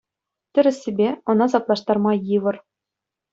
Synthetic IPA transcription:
t̪ʲɘ̆ɾʲɘ̆sʲːebʲeɤ̆nɑzɑplˠɑʂt̪ɑrmɑjɯʋɤ̆r

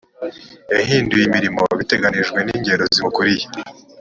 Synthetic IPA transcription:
eɦiːndujimiɾimoβite̞ɡaniʒɡwe̞niːɲɟe̞ɾozikuɾiji

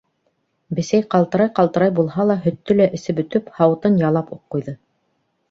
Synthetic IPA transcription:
bɘ̆sæjqɑlˠt̪ɤ̆ɾɑjqɑlˠt̪ɤ̆ɾɑjbulˠhɑlˠɑɦɵ̆t̪ːɵlæʔɘ̆sɘbɵ̆t̪ɵphɑwɤ̆t̪ɤnjɑlˠɑpuqːujðɤ

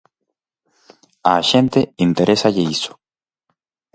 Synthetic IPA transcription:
aʃent̪eint̪eɾesaʎeiso̥

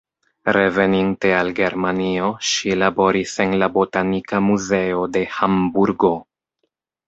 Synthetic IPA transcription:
ɾe̞ve̞ninte̞alɡe̞ɾmanio̞ʃilabo̞ɾise̞nlabo̞tanikamuze̞o̞de̞hambuɾɡo̞

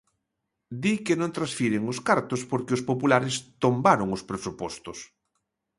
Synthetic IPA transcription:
d̪ikenõnt̪ɾasfiɾeŋoskaɾt̪ospoɾkeospopulaɾest̪ombaɾoŋospɾesupɔst̪os

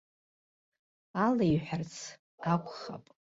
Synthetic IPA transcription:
alajħʷᶣart͡sʰ | akʷʰʼχa̰pʼ

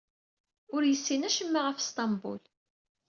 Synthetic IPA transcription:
ʊɾjəsːinæʃəmːaʁəfst̪ɑmbṵl

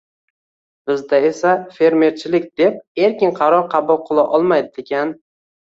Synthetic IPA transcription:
b̥ɪzd̪ae̞safe̞ɾme̞ɾt͡ʃʰɪlɪk̚ʲd̪̥e̞p̚e̞ɾkʲɪnqʰɑɾɒɾqʰɑbʊlˠqʰɨlˠaʔɒlˠmajd̪ɪd̪ekʲʰan

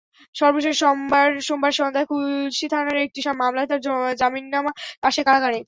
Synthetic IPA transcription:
ʃɔɾboʃeɾʃɔmbaɾʃombaɾʃɔnd̪ʱaekʰulʃit̪ʰanaɾek̚ʈiʃamamlat̪aɾd͡ʑɔd͡ʑaminːamaaʃekaɡane

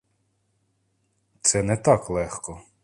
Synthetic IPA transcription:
t̪sɛnɛt̪ɑklˠɛxkɔ

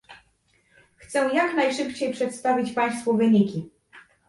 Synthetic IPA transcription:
xt̪sɛw̃jaknajʂɘpt͡ɕejpʂɛt̪st̪avʲit͡ɕpaj̃st̪fuvɘɲikʲi

